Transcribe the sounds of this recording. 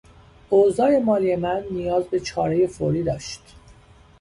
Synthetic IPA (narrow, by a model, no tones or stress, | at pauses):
ʔozɒːje̞mɒːlije̞mænːijɒːzbe̞t͡ʃʰɒːɾe̞je̞foɾiːd̪ɒːʃt̪